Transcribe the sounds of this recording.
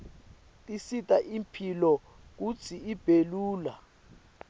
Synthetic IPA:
tʼisitʼaʔimpʰilɔ | k̬ut͡sʰiib̥ʱeluːla

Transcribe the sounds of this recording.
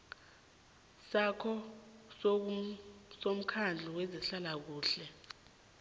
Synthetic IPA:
sakʰɔs | som̩kʰand͡ɮʱuweziɬalak̬uːɬɛ

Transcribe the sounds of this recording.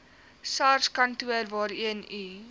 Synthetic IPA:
sɑːrskɐntuərvɑːɾiəni

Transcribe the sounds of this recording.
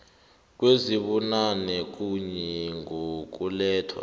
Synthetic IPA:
k̬weziɓunanɛk̬uɲɛŋok̬ulɛːtʰwa̰

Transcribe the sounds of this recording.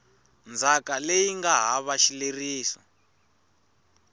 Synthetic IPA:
nd͡zʱakalejiŋɡaɦaβaʃileriːsɔ

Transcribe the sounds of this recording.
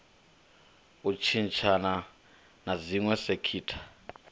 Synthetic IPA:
ut͡ʃʰint͡ʃʰana | naziŋwɛsekʰiːtʰḁ

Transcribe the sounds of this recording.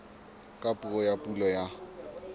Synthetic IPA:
kʼapʼuɣɔjapʼulɔja

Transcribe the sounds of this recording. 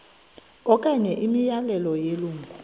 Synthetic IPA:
ɔkʼaɲɛʔimijalɛlɔjeluːŋɡʱu

